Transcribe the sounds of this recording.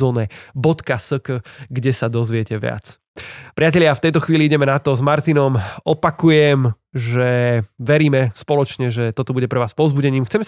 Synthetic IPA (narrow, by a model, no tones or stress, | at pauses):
ɔːnɛbɔt̪kasəkəɡɟɛsad̪ɔzʋɪɛcɛʋɪa̰t͡s | pɾʔɪacɛʎɪaft̪ɛjt̪ɔxʋiːliiɟɛmɛnat̪ɔzmaɾt̪inɔmɔpakujɛm | ʒɛʋɛɾiːmɛspɔlɔt͡ʃɲɛʒɛt̪ɔt̪ɔbuɟɛpɾɛʋaːspɔʊzbuɟɛɲiːmxt͡sɛmɛ